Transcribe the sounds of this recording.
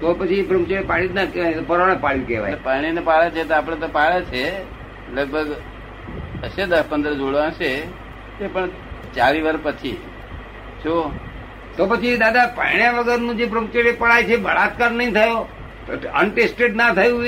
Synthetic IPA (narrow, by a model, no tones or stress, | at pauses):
t̪opət͡ʃʰipɾũmt͡ʃeɾepaɭinakeʋajt̪opəɾaɽ̃əpaɭjũkḛʋa̰jpaɽ̃inepaɭet͡ʃʰet̪oapɽ̃et̪opaɭet͡ʃʰe | ləɡ̚bʱəɡ | əʃed̪əspənd̪ɾəd͡ʒoɽãʃe | epəɳ | t͡ʃaɾiʋəɾpət͡ʃʰḭ | ʃo | t̪opət͡ʃʰid̪ad̪apa̰ɳ̃jãʋəɡəɾnũd͡ʒepɾũm̚t͡ʃeɽepəɭajt͡ʃʰebəɭat̪̚kaɾnəɦĩt̪ʰəjo | ə̰nʈesʈeɖnat̪ʰəjũ